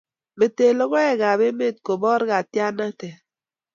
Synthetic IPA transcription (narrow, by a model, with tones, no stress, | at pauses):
be˨te˨lɔ˦ɣɔ˦ɛ˦ɡa˨be˦me˦˨t̚ko˨bɔ˦ɾɡa˨tja˦na˦tɛ˨